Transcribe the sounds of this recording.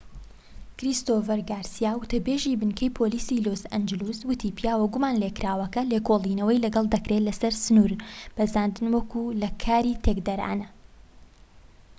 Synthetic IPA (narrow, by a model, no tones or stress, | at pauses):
kɾist̪oːfɛɾɡaːɾsijaːwʊt̪ɐbeːʒiːbɨnkʰɛjpʰoliːsiloːsɐnd͡ʒɨluswɨt̪ʰiːpijaːwɐɡumanlekɾaːwɐkɐlekʰoːlˠiːnɐwɐjlɐɡɐlˠd̪ɐkɾelɐsɐɾsɨnuɾb̥ɐzaːnd̪ɨnwɐkulɐkʰaːɾiːt̪ʰekd̪ɐɾa̰ːnɐ